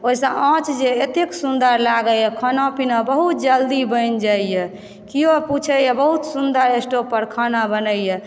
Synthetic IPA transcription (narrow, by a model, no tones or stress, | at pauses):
oɦisə̃ãt͡ʃʰd͡ʒeet̪eksund̪əɾlaɡəɛkʰanapinabəɦut̪̚d͡ʒəld̪ibəɪnd͡ʒaijɛ | kioput͡ʃʰəjɛbəɦut̪sund̪əɾesʈopəɾkʰanabənəjjɛ